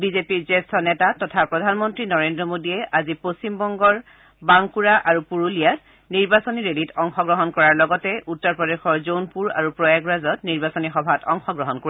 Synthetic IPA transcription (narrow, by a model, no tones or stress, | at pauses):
bizepiɹzɛstʰɔnɛtatɔtʰapɹɔdʱanmɔntɹinɔɹendɹɔmodiɛʔazipost͡ɕimbɔŋɡɔɹ | baŋkuɹaʔaɹupuɹulijat | niɹbasoniɹelitɔŋxɔɡɹɔɦɔnkɔɹaɹlɔɡɔtɛʔutːɔɹpɹɔdexɔɹzonpuɹa̰ɹupɹɔjaɡɹazɔtniɹbasonixɔbʱatʰɔŋxɔɡɹɔɦɔnkoi